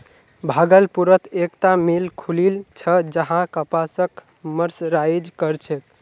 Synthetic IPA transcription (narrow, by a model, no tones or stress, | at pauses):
bʱaɡəlpuɾət̪ʰekt̪amilkʰulilt͡ʃʰəd͡ʒəɦãkəpasək | məɾsɾajd͡ʒkəɾt͡ʃʰɛt̪